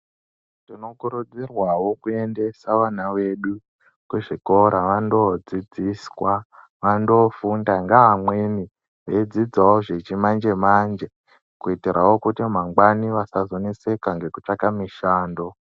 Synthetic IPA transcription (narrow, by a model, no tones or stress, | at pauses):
tino̞kuɾud͡zirwawo̞kue̞nde̞saʋanawe̞ɗu | kweʐiko̞ɾaʋando̞d͡zid͡ziswa | ʋando̞fundaŋɡaʋamwe̞ni | ʋed͡zid͡zawoʐet͡ʃimand͡ʒe̞mand͡ʒe̞ | kuitiɾawo̞kutimaŋɡwaniʋasazo̞nise̞kaŋɡe̞kut͡ʂakamiʃaːndo̞